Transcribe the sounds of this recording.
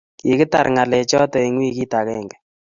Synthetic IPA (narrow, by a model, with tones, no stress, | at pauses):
ki˨kɨ˦ta˨ɾŋa˨lɛ˨t͡ʃɔ˦tɔ˨i˨ŋwi˦ki˦ta˨kɛ˦˨ŋɡɛ̥˨